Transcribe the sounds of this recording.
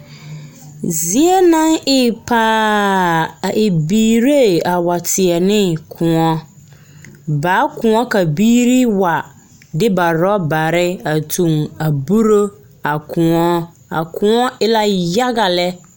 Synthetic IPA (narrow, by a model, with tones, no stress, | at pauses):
zi˦ɛ˦nã˦nɪ˦˨pʰaː˦ | a˨ʔe˨biː˦ɾe˦˨a˨wa˨tʰɪ˨ɛ˨nɪ̃˦˨kʰʊ̃˨ɔ̃˦ | baː˨˦kʰʊ̃˨ɔ˦ka˨biː˦ɾi˦wa˨ | dɪ˦ba˨ɾɔ˦ba˨ɾɪ˦a˨tʰũ˨ma˨bu˦ɾo˦ | a˨kʰʊ̃˨ɔ̃˦ | a̰˨kʰʊ̃˨ɔ̃˦ɪ˦la˦ja˦ɡa˨lɛ˦